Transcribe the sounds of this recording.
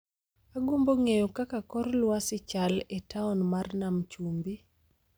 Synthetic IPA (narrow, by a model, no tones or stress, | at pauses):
aɡomboŋejokakakɔrlwasɪt͡ʃaletaɔnmarnamt͡ʃumbi